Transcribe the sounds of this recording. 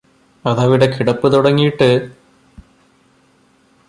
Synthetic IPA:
ɐðɐʋiɽe̞kiɽɐpːɨt̪uɽɐŋːijiʈːɨ

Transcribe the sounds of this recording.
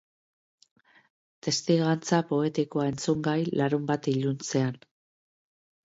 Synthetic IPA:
t̪e̞st̪iɣant͡sapo̞e̞t̪ikoae̞nt͡suŋɡajlaɾumbat̪iʎunt͡se̞an

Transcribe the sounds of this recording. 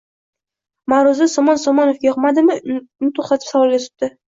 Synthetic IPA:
maɾʊzɪsɒmɒnsɒmɒnofɡʲajɒqmad̪ɪmɪnɪt̪ʰoχt̪at̪ʰɪ̥psavɒlˠet̪ɪ̥p̚d̪̥ɪ

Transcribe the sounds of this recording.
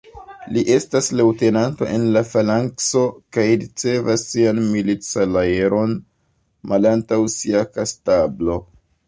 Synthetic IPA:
liʔe̞staslewte̞nanto̞̰ʔe̞nlafalaŋkso̞kajɾit͡se̞vasːianmilit͡salajeɾʔo̞n | malantawsiakastablo̞

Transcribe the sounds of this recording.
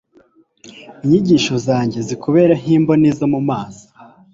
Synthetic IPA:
iɲiɟiːʃo̞zaːɲɟe̞zikoβe̞ːɾaɲ̥iːmbonizomumaːzi̥

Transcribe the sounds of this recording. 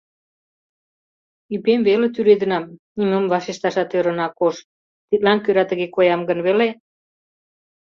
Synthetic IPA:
ypemβelĕt̪yɾed̪ənɑmniməmβɑʃeʃt̪ɑʃɑt̪øɾə̆nɑkoʃ | t̪it̪̚lɑnkøɾɑt̪əɣekojɑmɡənβele

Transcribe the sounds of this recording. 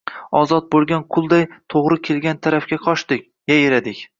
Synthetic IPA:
ɒzɒt̪̚bolˠɡʲanqʰʊlˠd̪ajt̪ʰoʁɾɪkʲʰe̞lɡʲant̪ʰaɾafkʲaqʰɒʃd̪ɪkʲ | jajeɾad̪ɪkʲ

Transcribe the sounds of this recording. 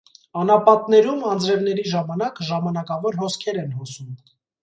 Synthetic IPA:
ɑnɑpɑt̪nɛɾumɑnd͡zɾɛvnɛɾiʒɑmɑnɑkʒɑmɑnɑkɑvɔɾhɔskʰɛɾɛnhɔsum

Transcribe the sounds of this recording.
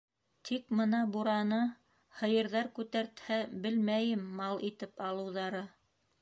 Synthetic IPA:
t̪ʰikmɤnɑbuɾɑnɤ | hɤ̆jɤ̆ɾðɑɾkʉt̪æɾt̪hæbɘlmæjɘmːɑlˠit̪ɘpɑlˠɤ̆wðɑɾɤ

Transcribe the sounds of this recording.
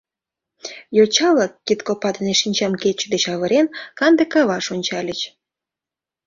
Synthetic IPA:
jot͡ɕɑlɑkːit̪kopɑd̪əneʃinʲt͡ɕɑmket͡ɕəd̪et͡ɕɑβəɾenkɑnd̪ekɑβɑʃonʲt͡ɕɑlʲət͡ɕ

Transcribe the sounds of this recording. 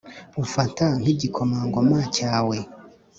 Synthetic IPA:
ufatan̥iɟikʰomaːŋɡomaːcaːwe

